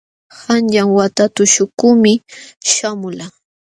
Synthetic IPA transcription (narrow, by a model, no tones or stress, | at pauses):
hanʎaŋwat̪at̪ʊʃʊkʊmɪʃamʊla